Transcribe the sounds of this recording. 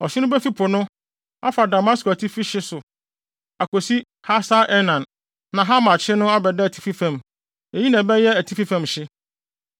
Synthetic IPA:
ɔ˨ɕɪ˦nʊ̃˦bɛ˦fi˦pʰʊ˨nʊ̃˦ | a̰˦fa˨da˨mã˦sko˨æ˨tʰi˦fi˦ɕɪ˦sʊ˨ | a˨ko˨si˦ | ha˦sa˦ʔɛ˦nã˨n | nã˨ɦa˦mã˨t͡ɕʰɪ˦nʊ̃˦a˦bɛ˨dɛ˦æ˨tʰi̥˦fi˦fã˨m | e˨ji˦nɛ̃˨bɛ˦jɛ˦æ˨tʰi˦fi˦fã˨mɕɪ˦

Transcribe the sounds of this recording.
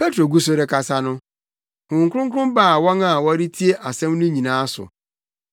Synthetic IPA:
pe˦tɾo˨ɡu˦so˨ɾe˦kʰa˨sa˨nʊ̃˦ | hʊ̃˨ŋ̩˨kʷʊ˦ɾʊ̃˦ŋ̩˦kʊ˦ʊ̃˦m˦ba˦˨wɔ̃˦ŋa˨wɔ˦ɾi˦tʰi˦e˦ʔa˨sɛ̃˦mnʊ̃˦ɲĩ˨nãː˨˦sʊ̰˨

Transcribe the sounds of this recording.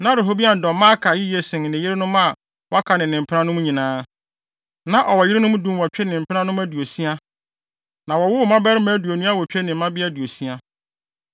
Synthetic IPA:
nã˦ɾe˨ɦo˦bi˦a˨n̩˨dɔ̃˨m˦mã˦kʰa˨jɪ˦ji˦e˦sɪ̃˨ŋ˨nɪ̃˨jɪ˦ɾɪ˦nʊ̃˦ma˦˨ | wa˦kʰa˨nɪ̃˨nɪ̃˨m̩˨pʰɪ˦ã˦nʊ̃˦m˦ɲĩ˨nãː˦ | nã˨ʔɔ˨wɔ˨jɪ˦ɾɪ˦nʊ̃˦m̃˦dũ˦mwɔ˨t͡ɕᶣɛ˦nɪ̃˨m̩˨pʰɪ˦nã˦nʊ̃˦m˦æ˦du˨o˨si˦a˦ | nã˨wɔ˨wʊ˦mã˦bɛ˦ɾɪ˦mæ̃˨˦du˨o˨nũ˦a˦˨wɔ˨t͡ɕᶣe˦nɪ̃˨m̩˦mã˦bɪ˦a˦˨du˨o˨si˦a˦

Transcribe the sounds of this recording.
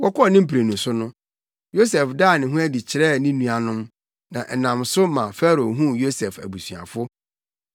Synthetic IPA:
wɔ˦kɔ˦ɔ˦˨nɪ̃˦m̩˦pʰɾe˨nũ˨sʊ˦nʊ̃˦ | jo˦sɛ˨fdaː˦˨nɪ̃˨ɦʊ̃˦æ˦di˨t͡ɕʰɪ˨ɾɛ˦˨nɪ̃˦nũ˦a˨nʊ̃˦m | nã̰˨ʔɛ˨nã˨msʊ˦mã˨fɛ˦ɾo˨ɦũ˦jo˦sɛ˨fæ̰˨bu˨sɥa̰˨fʊ˦

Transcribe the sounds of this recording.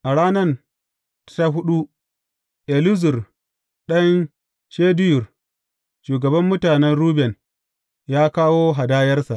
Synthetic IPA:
ʔa˨ɽaː˦nɐ˦n | ta˦ɦʊ˦ɗu˦ | ʔe˨lʊ˦zʊ˨r | ɗɐ˦n | ʃeː˦dʊ˦jʊ˨r | ʃuː˨ɡɐ˨bɐ˦mːʊ˦taː˨nɛ˦nɽuː˦bɛ˨n | jaː˦kaː˦woː˦ɦa˨daː˦jɐ˦rsa˨ʔ

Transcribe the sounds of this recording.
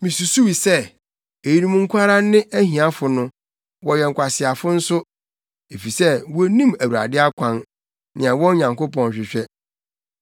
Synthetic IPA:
mĩ˨su˨su˦wi˨sɛ˦˨ | e˨ji˨ɾĩ˦mũ˦ŋ̩˦kʰʷa˦ɾa˦nɪ̃˦ʔæ˦ɦĩ˨ã˦fʊ˨nʊ̃˦ | wɔ˨jɛ˨ŋ̩˨kʷʰa˨sɪ˨a˨fʊ˦n̩˦sʊ˦ | e˨fi˨sɛ˦wɔ˦nĩ˦mæ˨wu˨ɾa̰˨dɪ˦a˦kʷʰã˦n | nɪ̃˨a˨wɔ̃˦ɲã˨ŋko˦pɔ̃˨n˨ɕᶣɪ˨ɕᶣɛ˦

